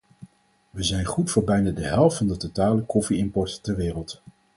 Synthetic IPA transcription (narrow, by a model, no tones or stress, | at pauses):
ʋəzɛjnχutfʊːɹbɛjnaːdəɦɛlˠftfɑndətotaːləkɔfiɪmpɔɹttɛɹʋɪːrəlˠt